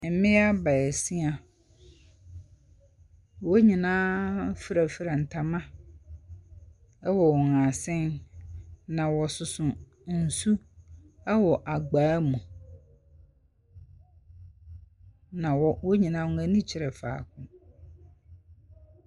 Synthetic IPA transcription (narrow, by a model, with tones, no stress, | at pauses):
m̩˨mɪ̃˦a˦ba˨ɛ˨si˦a˨ | wɔ˦ɲĩ˨nãː˦fɾa˨fɾa˨n̩˨tʰa˨mã˦ | ɛ˦wɔ˨wɔ˨ŋã˨sɪ̃˦n | nã˨wɔ˨sʊ˨sʊ̃˨ | n̩˨su˦ | ɛ˦wɔ˨ʔa˨ɡ͡baː˨˦mũ˨ | nã˨wɔ˦wɔ˦ɲĩ˨nãː˦wʊ̃˨ŋa˨nĩ˦t͡ɕʰɪ˨ɾɛ˨fa̰ː˨kʰʊ̃˨